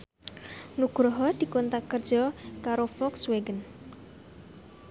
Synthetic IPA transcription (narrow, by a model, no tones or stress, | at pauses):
nuɡ̥ɾɔɦɔd̪̥i̤kont̪akər̥ʒ̥ɔkaɾofɔksweɡən